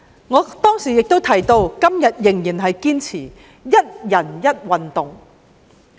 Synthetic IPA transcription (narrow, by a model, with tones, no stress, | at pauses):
ŋɔː˨˧t̪ɔː˥ŋsiː˨˩jɪ˨k̚t̪o˥wt̪ʰɐ˨˩jt̪o˧wkɐ˥mjɐ˨t̚jɪ˨˩ŋjiː˨˩nɦɐ˨jkiː˥nt͡sʰiː˨˩ | jɐ˥t̚jɐ˨˩njɐ˥t̚wɐ˨nt̪ʊ˨ŋ